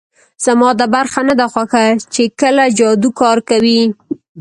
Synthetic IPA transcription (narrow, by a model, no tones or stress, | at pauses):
z̥amɑd̪əbaɾxanad̪axwaxat͡ʃekəlad͡ʒɑd̪ukɑɾkawi